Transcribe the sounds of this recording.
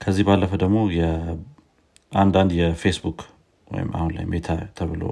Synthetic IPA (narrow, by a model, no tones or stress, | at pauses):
kʰəzːihbalːəfəd̪əɡmo̞jɛ | ʔand̪and̪jɛfesbuk | wɔ̰jɪ̰ma̰hunla̰jmet̪ʰat̪ʰəβɨlo̰